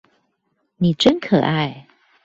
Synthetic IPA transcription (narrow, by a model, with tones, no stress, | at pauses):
ni˨˩ʈ͡ʂə˦nkʰɤ˨˩ʔa˥˧ɪ